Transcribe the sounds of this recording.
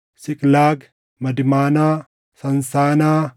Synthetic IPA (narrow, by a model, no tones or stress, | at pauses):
sɪkʼlaːɡ | mɐd̪ɪmaːnaː | sɐnsaːnaː